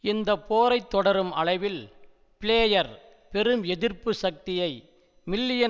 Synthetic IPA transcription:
ɪnd̪ɐpoːɾɐɪt̪ːɔɽɐɾɯmɐɭɐɪʋɪl | pɪɭeːjɐɾ | pɛɾɯmɛðɪɾpːɯsɐk̚t̪ɪjɐɪ | mɪlːɪjɐ

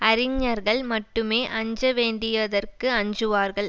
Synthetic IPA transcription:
ɐɾɪŋɲɐɾɣɐɭmɐʈːɯmeːʔɐɲd͡ʒɐʋeːɳɖɪjɐðɐrkɯɐɲd͡ʒɯʋaːɾɣɐɭ

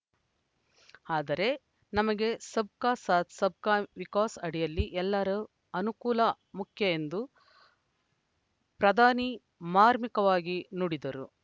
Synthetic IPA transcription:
aːd̪ɐɾe̞ | nɐmɐɡe̞sɐb̚kaːsaːt̪sɐb̚kaːʋikaːsɐɽijɐlːiʔɛlːɐɾɐ | ɐnukuːlɐ | mukʰjɐe̞nd̪u | pɾɐd̪ʱaːni | maːɾmikɐʋaːɡinuɽid̪ɐɾṵ

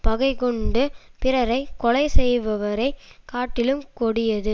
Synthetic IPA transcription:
pɐɣɐɪkɔɳɖɯpɪɾɐɾɐɪkːɔlɐɪsɛjʋɐʋɐɾɐɪkaːʈːɪlɯmkɔɽɪjɐðɯ

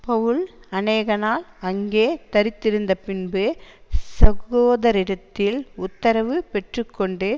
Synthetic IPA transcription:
pɐʋɯɭɐneːɣɐnaːlɐŋɡeːt̪ɐɾɪt̪ːɪɾɯnd̪ɐpɪnbɯsɐɣoːðɐɾɪɽɐt̪ːɪlʊt̪ːɐɾɐʋɯpɛʈrɯkːɔɳɖe

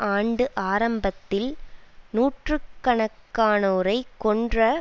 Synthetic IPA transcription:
ʔaːɳɖɯʔaːɾɐmbɐt̪ːɪlnuːʈrɯkːɐɳɐkːaːnɐɯɾɐɪkːɔɳdrɐ

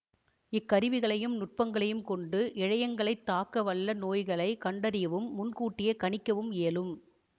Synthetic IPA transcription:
ɪkːɐɾɪʋɪɣɐɭɐjɯmnʊʈ̚pɐŋɡɐɭɐjɯmkɔɳɖɯʔɪɻɐjɐŋɡɐɭɐɪt̪ːaːkːɐʋɐɭːɐnoːjɣɐɭɐɪkɐɳɖɐɾɪjɐʋɯmːʊnkuːʈːɪjɐkɐɳɪkːɐʋɯmeːlɯm

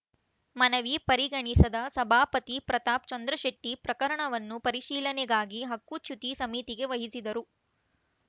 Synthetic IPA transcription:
mɐnɐʋipɐɾiɡɐɳisɐd̪ɐsɐbʱaːpɐt̪ipɾɐt̪aːp̚t͡ʃɐnd̪ɾɐʃɐʈːipɾɐkɐɾɐɳɐʋɐnːupɐɾiʃiːlɐnɛɡaːɡiɦɐkːut͡ʃʰut̪isɐmit̪iɡe̞ʋɐɦisid̪ɐɾu

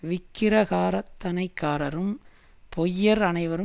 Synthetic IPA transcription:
ʋɪkːɪɾɐɣaːɾɐt̪ːɐnɐɪkːaːɾɐɾɯm | pʰɔjːɐɾɐnɐɪʋɐɾɯ

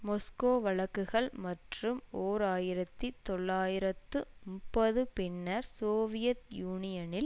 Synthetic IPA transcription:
mɔskoːʋɐɭɐkːɯɣɐɭmɐʈrɯmoːɾaːjɪɾɐt̪ːit̪ːɔɭːaːjɪɾɐt̪ːɯmʊpːɐðɯpɪnːɐɾsoːʋɪjɐt̪juːnɪjɐnɪl

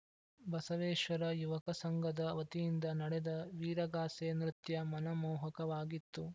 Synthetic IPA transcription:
bɐsɐʋɛːʃʋɐɾɐjuʋɐkɐsɐŋɡɐd̪ɐʋɐt̪ijind̪ɐnɐɽɛd̪ɐʋiːɾɐɡaːseːnɾɪt̪jɐmɐnɐmɔːɦɐkɐʋaːɡit̪ːu

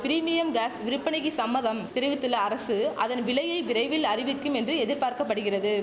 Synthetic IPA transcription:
pɪɾiːmɪjɐmɡaːsʋɪɾɯpːɐɳɪɣisɐmːɐðɐmt̪ɪɾɯʋɪt̪ːɯlɐːɾɐsɯʔɐðɐnʋɪɭɐjɐɪʋɪɾɐɪʋɪlɐrɪʋɪkːɯmɛndrɯɛðɪɾpaːɾkɐpːɐɽɯɣɪrɐðɯ

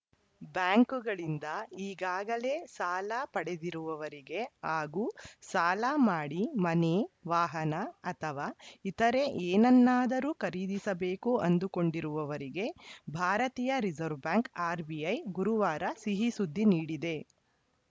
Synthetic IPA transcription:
bjaːŋkuɡɐɭind̪ɐiːɡaːɡɐle̞saːlapɐɽe̞d̪iɾuʋɐʋɐɾiɡe̞aːɡuːsaːlamaːɽimɐneʋaːɦɐnɐɐt̪ʰɐʋaːit̪ɐɾe̞ʔeːnɐnːaːd̪ɐɾuːkɐɾiːd̪isɐbe̞ːkuɐnd̪uko̞ɳɖiɾuʋɐʋɐɾiɡe̞bʱaːɾɐt̪iːjɐɾid͡ʒɐɾʋbaːŋkaːɾbiɐjɡuɾuʋaːɾɐsiɦisud̪ʱːiniːɽid̪e̞

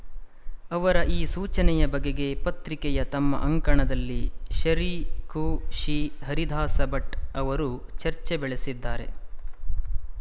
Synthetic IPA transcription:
ɐʋɐɾɐʔiːsuːt͡ʃɐnɛjɐbɐɡeɡe̞pɐt̪ɾikɛjɐt̪ɐmːɐ̰ʔɐŋkɐɳɐd̪ɐlːiʃɐɾikuʃiːɦɐɾid̪ʱaːsɐbɐʈɐʋɐɾut͡ʃɐɾt͡ʃebɛɭesid̪ːaːɾe̞̰

